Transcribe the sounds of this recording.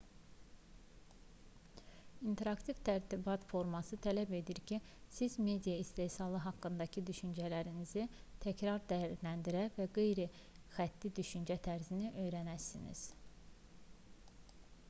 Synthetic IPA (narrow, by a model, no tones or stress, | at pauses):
int̪ʰe̞ɾɑkt̪ʰivt̪ʰæɾt̪ʰibɑt̪fo̞ɾmɑsɯt̪ʰælæbe̞d̪iɾcʰisizme̞d̪ijɑist̪e̞ːsɑlˠɯɦɑkːɯnd̪ɑcʰid̪yʃynd͡ʒælæɾinizit̪ʰæcʰɾɑɾd̪æjæɾlænd̪iɾævæɡe̞jɾɛ | xæt̪ʰːid̪yʃynd͡ʒæt̪ʰæɾziniʔø̞jɾænæsḭnḭz̥